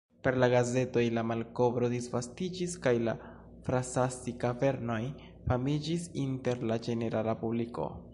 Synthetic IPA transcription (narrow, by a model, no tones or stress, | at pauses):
pe̞ɾlaɡaze̞to̞jlamalko̞bɾo̞disvastid͡ʒiskajla̰ | fɾasasikave̞ɾno̞j | famid͡ʒisinte̞ɾlad͡ʒe̞ne̞ɾalapubliko̰